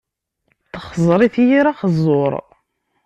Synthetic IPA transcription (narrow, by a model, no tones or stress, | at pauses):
θəχəzˤɾˤiθjiɾaχəzˤːoɾˤ